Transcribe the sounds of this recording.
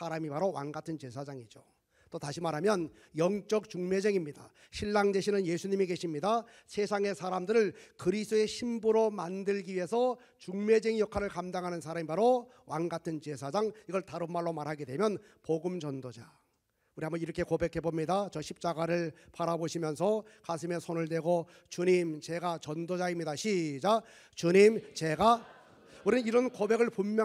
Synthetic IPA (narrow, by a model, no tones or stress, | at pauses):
sʰaɾamipaɾowanɡatʰɯnt͡ɕe̞sʰad͡ʑaŋid͡ʑo | t͈otaɕʰimaɾɦamjʌn | jʌŋt͡ɕ͈ʌk̚t͡ɕuŋme̞d͡ʑeŋimɲida | ɕʰiɭːaŋde̞ɕʰinɯnjesʰuɲimike̞ɕʰimɲida | sʰe̞sʰaŋe̞sʰaɾamdɯɾɯɭkɯɾisʰdoe̞ɕʰimbuɾomandɯɭɡiɥie̞sʰʌ | t͡ɕuŋme̞d͡ʑeŋijʌkʰaɾɯɭkamdaŋɦanɯnsʰaɾamipaɾo | wʔanɡatʰɯnt͡ɕe̞sʰad͡ʑaŋiɡʌɭtaɾɯmmaɭːomaɾɦaɡe̞dwe̞mjʌn | poɡɯmt͡ɕʌndod͡ʑa | uɾiambʌniɾʌkʰe̞kobe̞kʰe̞bomɲidat͡ɕʌɕʰip̚t͡ɕ͈aɡaɾɯɭpaɾaboɕʰimjʌnsʰʌkas̬ʰɯme̞sʰonɯɭdwe̞ɡo | t͡ɕuɲimt͡ɕe̞ɡat͡ɕʌndod͡ʑaimɲidaɕʰid͡ʑa | t͡ɕuɲimt͡ɕe̞ɡa | uɾiiɾʌnkobe̞ɡɯɭpummjʌ